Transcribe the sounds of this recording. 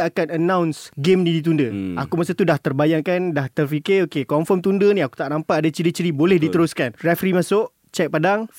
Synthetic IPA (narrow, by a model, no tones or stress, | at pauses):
akanənãwnsɡemnĩdit̪̬undəakumasət̪udaht̪ərbajaŋkandaht̪ərfikɪokekɔɱfɔmt̪undənĩaku̥t̪aʔnampaadat͡ʃiɾit͡ʃiɾibolɛhdit̪əɾʊskanrɛfɾimasʊʔ | t͡ʃɛk̚padaŋ